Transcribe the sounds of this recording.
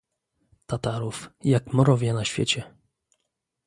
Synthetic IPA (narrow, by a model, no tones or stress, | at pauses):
t̪at̪aɾufjakmɔɾɔvʲjɛnaɕfʲjɛ̰t͡ɕɛ